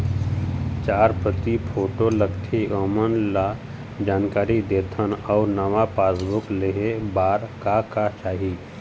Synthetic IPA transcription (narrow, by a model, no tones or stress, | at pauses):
t͡ʃaːɾpət̪ipʰoːʈoləkʰt̪ʰiəmənla | d͡ʒaːnkaːɾid̪eːt̪ʰənɔːɾnɐʋapaːsbʊkleɦebaːɾkakat͡ʃaːɦi